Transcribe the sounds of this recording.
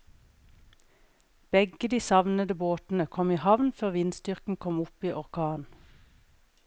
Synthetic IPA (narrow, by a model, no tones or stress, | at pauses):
b̥ɛɡəd̪iːsɑʋnəd̪əboːt̪n̩əkʰɔmiːhɑʋnføːʁʋɪnst̪ʏʁkn̩kʰɔmʊpiːʔɔʁkʰɑːn